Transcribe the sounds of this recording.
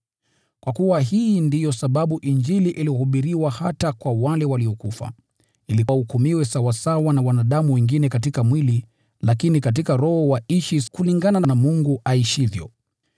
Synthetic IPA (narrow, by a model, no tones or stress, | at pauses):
kwakuwaɦindijɔsaɓaɓuʔind͡ʒiliʔilihuɓiɾiwahatakwawalɛwaliɔkufa̰ | iliaukumiwɛsawasawanawanaɗamuwɛŋɡinɛkat̬ikamwili | lakinikat̬ikaɾɔhɔwaiʃikuliŋɡanananamuŋɡuʔaiʃivjɔ̰